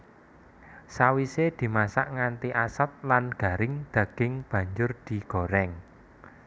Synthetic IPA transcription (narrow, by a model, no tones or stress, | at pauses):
sawised̪̥i̤masaʔŋant̪iʔasat̪̚lanɡ̥a̤ɾɪŋd̪̥ä̤ɡ̥ɪŋb̥ä̤ɲd͡ʒʊrd̪̥i̤ɡ̥o̤ɾɛŋ